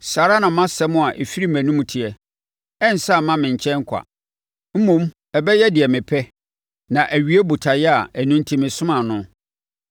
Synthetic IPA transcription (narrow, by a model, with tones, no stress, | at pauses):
saː˨ɾa˦nã˨mã˦sɛ˦mʊ̃˦a˨ʔe˨fi˦ɾi˦mæ̃˨nũ˦m̃˨tʰɪ˨ɛ˨ | ɛ˦n̩˨sa˦˨mã˦mɪ̃˨ɲ˨t͡ɕʰɛ̃˦ŋ˦kʷʰa̰˨ | m̩˦mũ˦m | ɛ˨bɛ˦jɛ˦dɪ˨ɛ˨mɪ̃˨pʰɛ˦ | nã˨ʔæ˨ɥi˦e˦bu˨tʰa˨jɛ˦a˨æ˨nũ˦n˦tʰi˨mɪ̃˨sʊ̃˦mã˨nʊ̃˦